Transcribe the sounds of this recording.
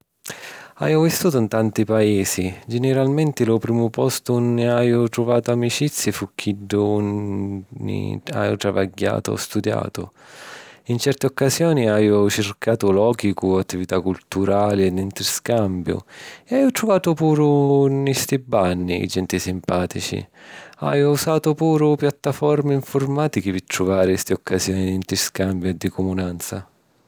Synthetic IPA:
a̰jovist̪uːt̪̬ʊnt̪ant̪ipaɛːsid͡ʒenɪɾalmɛnt̪ɪlʊpɾiːmʊpɔst̪ʊnːɪajʊt̪ɾʊvaːt̪ʊamit͡ʃit̪sːjifuk̟ʰːiɖːunː | ḭa̰jo̰t̪ɾava̰ɡːa̰ːt̪ʊ̰ɔ̰st̪ud̪ja̰ːt̪ʊ̰ | int͡ʃɛrt̪ɪɔkːasjɔːniajʊt͡ʃɪrkaːt̪ʊlɔːkikʊat̪ːivit̪akːult̪uɾaːliɛd̪int̪ɾiskambjʊ̰ɛajʊt̪ɾʊvaːt̪ʊpuːɾʊnist̪ibanːiḭd͡ʒɛnt̪isimpaːt̪it͡ʃḭa̰jʊusaːt̪ʊpuːɾʊpjat̪ːafɔɾmɪiɱfʊrmaːt̪ik̟ipɪt̪ɾuvaːɾɪst̪iɔkːasjɔːnid̪int̪ɾiskambjʊɛd̪ːikʊmunant̪sa

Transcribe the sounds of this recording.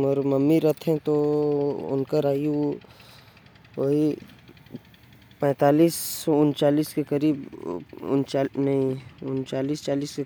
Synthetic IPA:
məɾməmːiɾɐt̪ʰɛ̃t̪o | ʊ̰nkəɾaːi | oɦi | pɛ̃ːt̪aːliːsɔʊnt͡ʃaːliːskekəɾiːbʊ̰nt͡ʃːnɐɦĩʊnt͡ʃaːliːst͡ʃaːliːske

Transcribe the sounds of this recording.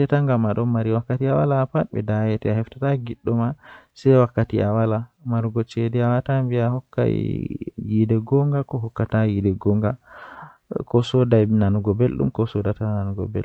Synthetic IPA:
tɛtaŋɡamaɗɔnmaɾiwakːatiawalaːpatbɛ̰dajɛtɛahɛftataɡiɗːɔmasɛjwakːatiawala | maɾɡɔt͡ʃedɛawatambiahɔkːa̰jidɛɡɔŋɡakɔɦɔkːatajidɛɡɔŋɡa | kɔsɔdananuɡɔbelɗṵmkɔsɔdatananuɡɔ̰bɛ̰l

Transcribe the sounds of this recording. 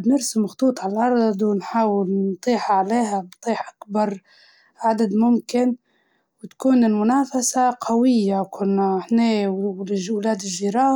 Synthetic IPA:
bnɪɾsɪmaxt̪ˤuːt̪ˤʕalalʔɑɾˤd̪ˤd̪wnħaːwɪlnt̪ˤiːħaʕleːɦant̪ˤiːħʔakbɑɾˤ | ʕad̪ad̪mʊmkɪn | wt̪kuːnɪlmʊnaːfasaqʰawɪjːakʰʊlnaħneːwlwlaːd̪ɪʒːiɾɑː

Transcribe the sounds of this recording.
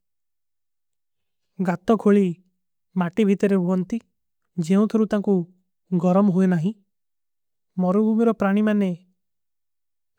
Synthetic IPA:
ɡat̪ɔkʰoɭi | maʈibʱit̪ɔɾeɦuɦɔnt̪i | d͡ʒeũt̪ʰɔɾut̪aŋku | ɡɔɾɔmɔɦuenaɦĩ | mɔɾubʱumiɾɔpɾaɽ̃imane

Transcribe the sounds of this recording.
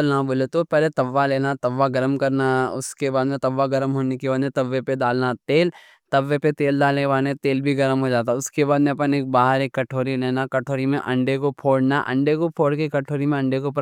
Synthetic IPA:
lnaboːlet̪opɛɦlet̪ɐʋːaleːnat̪ɐʋːaɡɐɾəmkɐɾnaʊ̰skebaːd̪mẽt̪ɐʋːaɡɐɾəmɦoːnekebaːd̪mẽt̪ɐʋːepeɖaːlnat̪eːl | t̪ɐʋːepet̪eːld̪aːlneʋaːnet̪eːlbʱiɡɐɾəmɦod͡ʒaːt̪aʊskebaːd̪mẽɐpəneːk̚baːɦəɾeːkːɐʈʰoːɾileːnakɐʈʰoːɾimḛ̃ʔɐ̃ɳɖekopʰoːɽnaʔɐ̰̃ɳɖekopʰoːɽkikɐʈʰoːɾimẽɐ̃ɳɖekop

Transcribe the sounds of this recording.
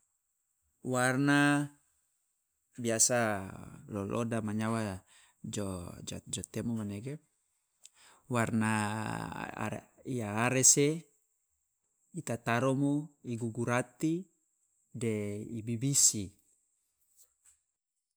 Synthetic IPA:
warna | biasalolʔɔ̰damaɲawa | d͡ʒod͡ʒa̰d͡ʒɔt̪emomaneɡe | warna̰ | ijaːɾese | it̪at̪aɾomoiɡuɡuɾat̪i | deibibisi

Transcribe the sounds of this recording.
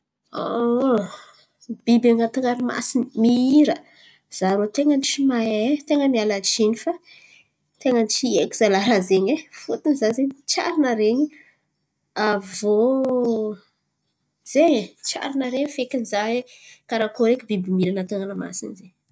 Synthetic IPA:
o | b̥ibaŋat̪uŋaɾima̰sinimiiɾə | z̥aɾot̪eŋənt͡ʃimaet̪eŋəmialat͡ʃinifa | t̪eŋənt͡ʃiekiz̥alaɾazeɲefut̪inizazeɲit͡ʃa̰ɾinəɾeɲi | avo | z̥eɲet͡ʃa̰ɾinaɾeɲifekʲinizae | kaɾakoɾekʲibibimiɾanat̪aŋalama̰sḭnzeɲ

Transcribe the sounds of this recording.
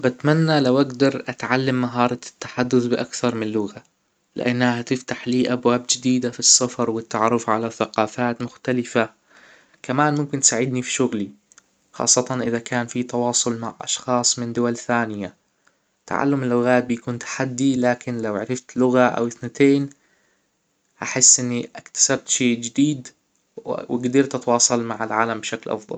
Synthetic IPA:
bɪt̪manːalawʔaɡd̪ɑɾˤʔat̪ʕalːamːaɦɑːɾˤɑt̪ːḁħad̪ːʊθbɪʔakθɑɾˤmɪlʊɣa | lɪ̰ʔanːahahat̪ɪft̪aħliːʔabwaːbd͡ʒɪd̪iːd̪afisːɑfɾˤwɪt̪ːaʕɑɾˤːʊfʕalaθaqɑːfaːt̪mʊxt̪alɪfa | kamaːnmʊmkɪnt̪saʕɪd̪nifi̥ʃʊɣli | xɑ̰ːsˤːɑt̪ɑnʔɪðakaːnfit̪ɑwɑːsˤʊlma̰ʕʔɑ̰ʃxɑːsˤmɪnd̪ʊwalθaːnɪja | t̪ʰa̰ʕa̰lːʊmɪlːʊɣaːt̪̚bɪjakuːnt̪ḁħad̪ːilaːkɪnlawʕaɾɪft̪lʊɣaʔa̰wθnat̪ʰeːn | haħɪsːʔɪnːiʔakt̪ḁsab̚t̪ʃeːd͡ʒɪd̪iːd̪ | wɪɡd̪ɪɾt̪ʔat̪wɑːsˤɑlmaʕalʕaːlambɪʃaklʔɑ̰fðˤɑ̰l

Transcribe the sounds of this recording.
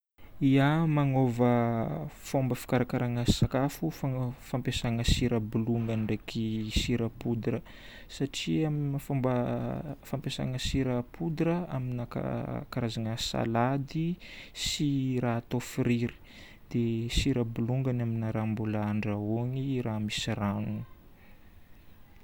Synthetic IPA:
iamaŋovə | fombəfi̥kaɾakaɾaŋəsakafufafampesaŋəsiɾəbuluŋɡanɖ͡ʐekʰisiɾəpud̪ɾə | saʈ͡ʂiaminfombə | fampesa̰ŋəsiɾəpʰud̪ɾəaminaka̰kaɾazaŋəsa̰lad̪isirat̪ofiɾiɾi̥ | d̪̥esiɾəbuluŋɡanaminaɾambulaaɳɖ͡ʐaoŋiramisiranu

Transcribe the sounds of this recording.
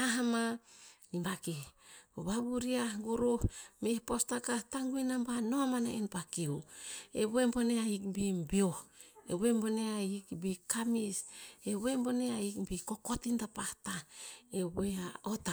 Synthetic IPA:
aɦamanimbakioβaβuɾiaɡuɾuhmehpostakataŋɡuinambanoamana̰enpakiueβembo̞neaikbibiohḛwemboneaikbikamiseβembo̞neaikbiko̞kotintapahtaeβeaota

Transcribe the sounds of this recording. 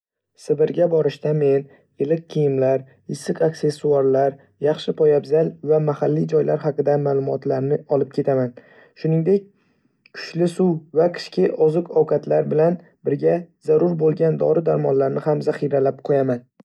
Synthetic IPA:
sɪbɪɾɡʲabɒɾɪʃt̪ame̞n | elɪkʲqʰijɪmlaɾ | ɪsːɪkakse̞sːuaɾlaɾ | jɑχʃɪpʰɒjabzalvamahalːid͡ʒɒjlaɾhɑqɨd̪amaːlˠʊmɒt̪ʰlaɾnɪɒlˠɪp̚kʲʰe̞t̪ʰaman | ʃʊnɪŋd̪e̞k̚ʲ | kʰʊ̥ʃlɪsuwvakʰʲɪ̥ʃkʲʰɪʔɒzɨqɒwkʰat̪ʰlaɾbɪlan | bɪɾɡʲazaɾʊɾbolˠɡʲand̪ɒ̰ɾɪd̪aɾmɒnlaɾnɪhamzaχiɾalap̚qʰojaman

